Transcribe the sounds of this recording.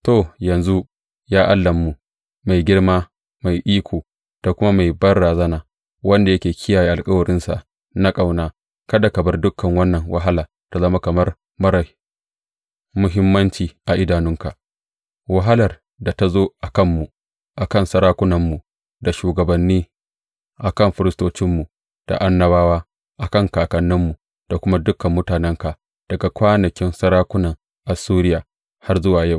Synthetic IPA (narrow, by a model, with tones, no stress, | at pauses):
to˨jɐ˨nzu˦ | jaː˦ʔa˦lːɐ˨mːu˨ | ma˨jɡʲɪ˦ɽmaː˦ | ma˨jʔiː˦kʷʰoː˨ | d̥a˨kʷʊ˦ma˦ma˨jbɐ˦rɽaː˨zɐ˦naː˨ | wɐ˦nda˨jɐ˦kʲeː˨kʲʰɪ˦jaː˨jeː˦ʔa˨lkʼɐ˦wʊ˨ɾɪ˦nsa̰˨ʔ | na˦kʼa˨wnaː˦ | kɐ˦da˨kɐ˨bɐ˦rdʊ˦kʰːɐ˨ŋwɐ˦nːɐ˨ŋwa̰˦ɦa˦laː˨ | ta˨zɐ˦ma˦kɐ˨mɐ˦r | mɐ˦ɾa˨ | mʊ˦ɦɪ˦mːɐ˦nt͡ʃiː˨ʔa˨ʔɪ˦daː˨nʊ˦ŋka˨ʔ | wɐ˦ɦa˦lɐ˨r | da˨ta˨zoː˦ʔa˨kɐ˦mːu˨ | ʔa˨kɐ˦˨nsɐ˦ɾaː˦kʷʊ˦nɐ˨mːu˨ | da˨ʃuː˨ɡɐ˨bɐ˨nːiː˦ | ʔa˨kɐ˦˨mɸɪ˦ɾɪ˦stoː˦t͡ʃɪ˦mːu˨ | d̥a̰˨ʔa˦nːɐ˦baː˦waː˦ | ʔa˨kɐ˦˨ŋkaː˨kɐ˨nːɪ˦mːu˨ | d̥a˨kʷʊ˦ma˦dʊ˦kːɐ˨mːʊ˦taː˨nɛ˦ŋka˨ʔ | d̥ɐ˨ɡa˨kʷaː˦nɐ˨kʲɪ˦nsɐ˦ɾaː˦kʷʊ˦nɐ˨ŋ | ʔa˨suː˦ɾɪ˦jaː˨ | ha˦rzʊ˦waː˨ja˦˨w